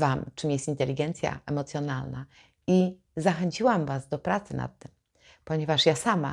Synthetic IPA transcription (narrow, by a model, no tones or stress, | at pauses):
vamt͡ʂɨmjɛst̪int̪ɛlʲiɡɛnt̪sʲja̰ɛmɔt̪sʲjɔnalna | i | zaxɛɲt͡ɕiwamvazd̪ɔpɾat̪sɘna̰t̪ːɘm | pɔɲɛvaʂjasama̰